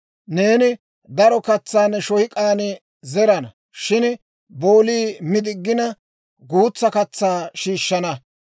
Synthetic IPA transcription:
ne̞ːnɪ | d̪ɐɾɔkɐt͡sːaːnɛʃɔhɪkʼaːnɛ | zɛɾɐnɐ | ʃɪn | bo̞ːliːmɪd̪ɪɡːɪnɐ | ɡuːt͡sːɐkɐt͡sːaːʃiːʃːɐnɐ

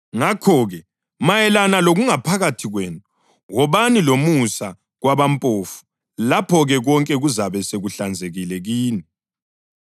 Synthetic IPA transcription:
ŋakʰɔɣɛ | majɛlanaloɣuŋapʰaɣatʰiɣweːnu | wɔβanilomusa | ɣwaβampʼoːfu̥ | lapʰɔɣɛɣɔŋkʼɛɣuzaβɛseɣuɬand͡zʱeɣilɛɣiːni

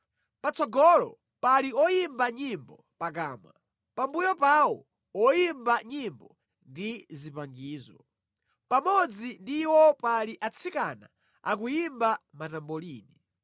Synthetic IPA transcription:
pat͡sɔɡɔlɔ̰ | paliɔjimbaɲimbɔ | pak̬aːmwa | pambujɔpawɔ̰ | ɔjimbaɲimbɔ | ndizipaŋɡiːzɔ | pamɔd͡zindiwɔpaliʔat͡sʰikana̰ | ak̬ujimbamatambɔliːni

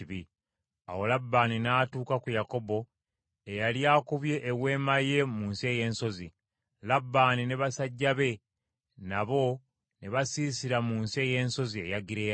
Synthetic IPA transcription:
βi | a̰wo̞labːaːninaːtuːkakujako̞bo̞ | ejaljaːkuβje̞ʔːwe̞ːmaje̞muːnsie̞ːje̞ːnso̞zi | labːaːnineβasaɟːaβe̞ | naβo̞ | neβasiːsiɾamuːnsie̞ːje̞ːnso̞zie̞jaɡiɾe

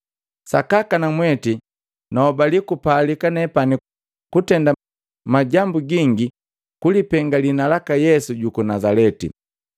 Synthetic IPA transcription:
sa̰kakanamwɛti | naɔbalikupaːlikanɛpani | kutɛnda | maɟambuɡiŋɡi | kulipɛŋɡalinalakajɛsuɟukunazalɛtḭ

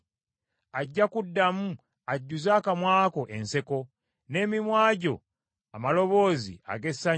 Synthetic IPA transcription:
aɟːakudːamu | aɟːuzaːkamwaːko̞ʔe̞nse̞ko̞ | ne̞ːmimwaːɟo̞̰ | amalo̞βo̞ːzḭa̰ɡe̞sa

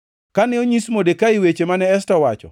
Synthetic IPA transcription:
kanɪoɲismodekaiwet͡ʃemanɛːstɔwat͡ʃɔ̰

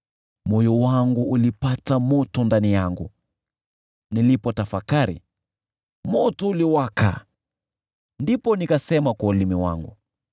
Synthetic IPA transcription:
mɔjɔwaŋɡuːlipatamɔtɔndanijaŋɡṵ | nilipɔtafakaɾḭ | mɔtɔuliwakʰa̰ | ndipɔnikasɛmakwaulimiwa̰ŋɡṵ

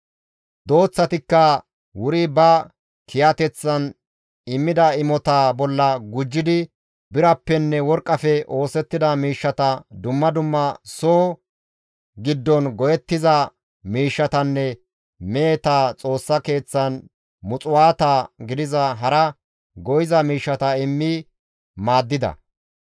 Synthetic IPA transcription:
d̪o̞ːt͡sːɐt̪ɪkːɐ | wʊɾɪbɐ | kʰɪjɐt̪ɛt͡sːɐn | ɪmːɪd̪ɐɪmɔt̪aːbɔlːɐɡʊd͡ʒːɪd̪ɪ | bɪɾɐpːɛnːɛwɔɾkʼːɐfɛʔo̞ːsɛt̪ːɪd̪ɐmiːʃːɐt̪ɐd̪ʊmːɐd̪ʊmːɐsoː | ɡɪd̪ːɔnɡɔjɛt̪ːɪzɐ | miːʃːɐt̪ɐnːɛ | meːt̪aːt͡sʼo̞ːsːɐke̞ːt͡sːɐn | mʊt͡sʼʊwaːt̪aːɡɪd̪ɪzɐɦɐɾɐ | ɡɔjɪzɐmiːʃːɐt̪ɐɪmːi | maːd̪ːɪd̪ɐ̰

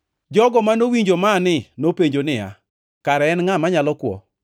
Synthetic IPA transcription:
d͡ʒɔɡɔmanowiɲd͡ʒomanɪnopeɲd͡ʒonɪja̰ | kaɾɛɛnŋamaɲalɔkwɔ̰

